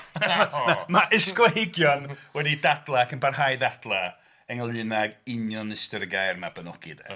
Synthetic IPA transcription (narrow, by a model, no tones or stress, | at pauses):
namaʔɪsklˠejɡjɔnwɛdidadlˠaːkʰənbarhajdadlˠa | əŋəlˠɨnaɡɪnjɔnɪstərɡajrmabənɔɡ̥ɪ̰dɛ̰